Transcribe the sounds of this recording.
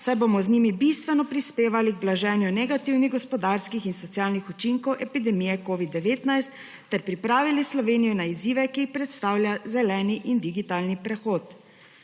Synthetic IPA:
sajbomɔzniːmibist̪ʋɛnɔpɾispeːʋaliɡblaʒɛːnjunɛɡat̪iwniɣɡɔspɔd̪aːɾskixinsɔt̪sjaːlnixut͡ʃiŋkɔwʔɛpid̪ɛmijɛkoːʋid̪ːɛʋeːt̪najst̪ː | ɛɾpɾipɾaːʋilislɔʋeːnijɔnaiziːʋɛkiːxpɾɛt̪st̪aːwljazɛlɛːniʔind̪iɡit̪aːlnipɾɛxoːt̪

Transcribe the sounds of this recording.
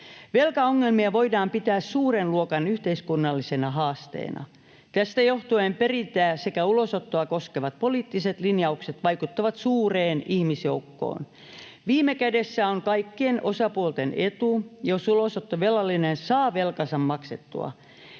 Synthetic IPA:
ʋe̞lkɑoŋːelmiɑʋo̞idɑːmpit̪æːssuːrenluokɑnyht̪eiskunːɑlːisenɑɦɑːst̪ḛːnɑ̰ | t̪æst̪æjoht̪uemperint̪æːsekæulosot̪ːoɑkoskeʋɑt̪̚poliːt̪ːiset̪linjɑukset̪ʋɑikut̪ːɑʋɑt̪suːreːnihmisjoukːo̰ːn | ʋiːmekædesːæoŋkɑikːienʔosɑpuolt̪enet̪ujosulosot̪ːoʋelːɑlːinensɑːʋe̞lkɑsɑmmɑkset̪ːṵɑ̰

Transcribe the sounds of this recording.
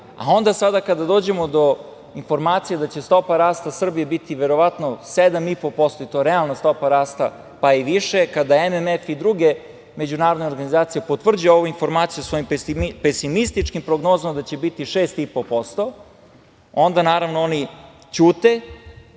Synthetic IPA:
a̰o̞nd̪asad̪akad̪ad̪oːd͡ʑe̞mo̞d̪o̞ | info̞ɾmaːt̪sijed̪at͡ɕe̞st̪o̞paɾaːst̪asr̩bijebit̪iʋe̞ɾo̞ʋat̪no̞sed̪amipo̞po̞st̪o̞it̪o̞eɾɛalˠnast̪o̞paɾaːst̪a | paiʋiʃe̞kad̪aememefid̪ɾuɡe̞ | me̞d͡ʑunaːɾod̪neo̞ɾɡanizaːt̪sijepo̞t̪ʋr̩d͡ʑujeoʋuinfo̞ɾmaːt̪sijusʋo̞jimpesimist̪it͡ʂkimpɾoɡno̞ːzamad̪at͡ɕe̞bit̪iʃeːst̪ipopo̞st̪o̞ | o̞nd̪anaːɾaʋnooni | t͡ɕuːt̪e̞

